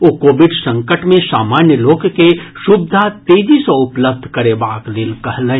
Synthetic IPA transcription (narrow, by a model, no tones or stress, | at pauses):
okoːʋɪɖsɐ̃ŋkəʈmẽsaːmaːnjəloːkkeʃʊbd̪ʱat̪eːd͡ʒiseʊpləb̚d̪ʱkɐɾeːbaːklɪlkɐɦlẽ